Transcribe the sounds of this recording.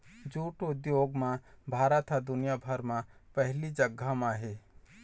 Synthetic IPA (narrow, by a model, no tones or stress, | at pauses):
d͡ʒuːʈod̪joːɡmãbʱaːɾət̪ʰad̪ʊnijabʱəɾmãpəɦlid͡ʒəɡʱːamãɦeː